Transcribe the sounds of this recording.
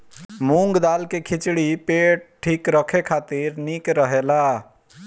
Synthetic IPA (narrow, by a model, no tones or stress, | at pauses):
muŋɡd̪alkekʰit͡ʃɽipeʈ̚ʈʰːikɾəkʰekʰat̪iɾnikɾəɦela